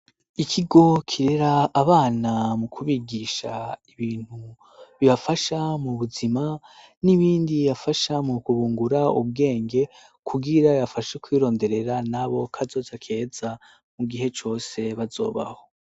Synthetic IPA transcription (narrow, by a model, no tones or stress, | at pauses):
ikʰiɡo̞kʰiɾeɾaːβaːnamukʰuβiɡiʃaiβiːn̥hu | βiβafaʃamuβuzima | niβiːndiβafaʃamukuβuːŋɡuɾaṵβɡe̞ːŋɡe̞ | kʰuɡiɾajafaʃekwiːɾo̞ːnde̞ɾe̞ɾanaβo̞kʰazo̞ːzakʰe̞ːza | muɡiɦe̞t͡ʃo̞ːse̞βazo̞̰ːβa̰ho̞